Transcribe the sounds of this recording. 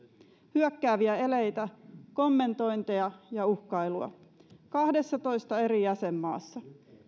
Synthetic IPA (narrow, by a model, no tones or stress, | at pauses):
hyøkːæːʋiæe̞le̞jt̪æko̞mːe̞nt̪o̞jnt̪eɑjɑuhkɑjluɑ̰kɑhde̞sːɑt̪o̞jst̪ɑe̞ɾijæse̞mːɑ̰ːsːɑ